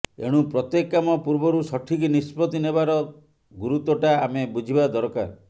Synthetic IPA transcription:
ḛɽ̃ũpɾɔt̪jekːamɔpuɾbɔɾusɔʈʰikinispɔt̪inebaɾɔ | ɡuɾut̪ɔʈaːmebud͡ʒʱibad̪ɔɾka̰ɾ

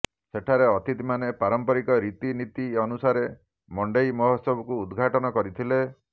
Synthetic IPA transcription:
seʈʰaɾeɔt̪it̪imanepaɾɔmpɔɾikɔɾit̪init̪iɔnusaɾe | mɔɳɖejmɔɦɔsɔbɔkuːd̪ɡʱaʈɔnɔkɔɾit̪ʰile

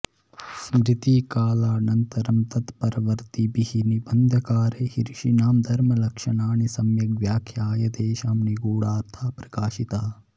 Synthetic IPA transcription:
smɾɪt̪ikaːlaːnɐnt̪ɐɾɐmt̪ɐt̪pɐɾɐʋɐɾt̪ibihinibɐnd̪ʱɐkaːɾehiɾʃinaːmd̪ʱɐɾmɐlɐkʃɐnaːnisɐmjɐɡʋjaːkʰjaːjɐd̪eːʃaːmniɡoːɽaːɾt̪ʰaːpɾɐ̥kaːʃit̪aː

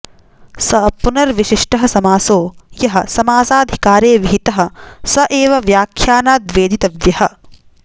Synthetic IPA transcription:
sɐpunɐɾʋiʃiʂʈɐɦɐsɐmaːsoːjɐɦɐ̆sɐmaːsaːd̪ʱi̥kaːɾeːʋiɦit̪ɐɦɐ̆sɐʔeːʋɐʋjaːkʰjaːnaːd̪ʋeːd̪it̪ɐʋjɐhɐ̆

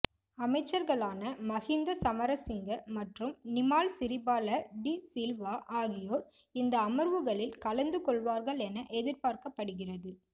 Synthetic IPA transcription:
ɐmɐɪt͡ʃːɐɾɣɐɭaːnɐmɐɣɪnd̪ɐsɐmɐɾɐsɪŋɡɐmɐʈrɯmnɪmaːlsɪɾɪbaːlɐɖisɪlʋaːʔaːɣɪjoːɾ | ɪnd̪ɐːmɐɾʋɯɣɐɭɪlkɐlɐnd̪ɯkɔɭʋaːɾɣɐɭɛnɐʔɛðɪɾpaːɾkɐpːɐɽɯɣɪrɐðɯ

